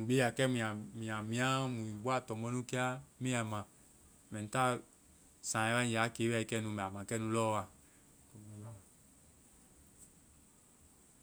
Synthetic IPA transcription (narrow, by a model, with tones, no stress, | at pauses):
nũ˨be˦˨a˨kɛ˦mĩ˨a˨mĩ˨a˨mĩ˨˦a˦mũ˨ĩ˨bo˦a˦t̪ɔ˨mɔ˦nũ˦ke˦a˦mẽ˦a˨mã˨ | mɛ̃˨n̩˨t̪a˦ | sã˨ɛ˦a˦ɲ˨a˨˦ke˨˦˨i˨˦kɛ˦nũ˧mɛ̃˨a˨mã˨kɛ˦nũ˦lɔ˦wa˨ | ko˨˦˨